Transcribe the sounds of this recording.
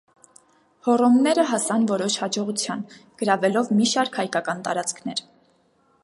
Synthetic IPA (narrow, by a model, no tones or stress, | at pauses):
hɔrɔmnɛɾəɦɑsɑnvɔɾɔʃhɑd͡ʒɔʁut͡sʰjɑnɡ̥əɾɑvɛlɔvmiʃɑɾkhɑjkɑkɑnt̪ɑ̰ɾɑt͡skʰnɛ̰ɾ